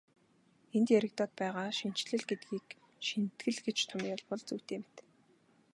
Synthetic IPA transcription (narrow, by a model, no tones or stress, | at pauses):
ent̪jæɾɘ̆kt̪ɔːt̪̚pæːʁaːʃin̥t͡ɕɮɘ̆ɮɡet̪̚ɡiːk | ʃint̪ɡɘ̆ɮɡet͡ɕt̪ʰʊmjʊɮpɔɮt͡suːw̥t̪eːmt̪